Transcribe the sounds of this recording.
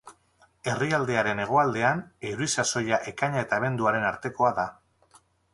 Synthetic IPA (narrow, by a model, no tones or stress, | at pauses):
e̞riald̪e̞aɾe̞ne̞ɣ̞o̞ald̪e̞aneɾuisaso̞jaʔe̞kaɲaet̪aːβ̞e̞nd̪uaɾe̞naɾt̪e̞ko̞aða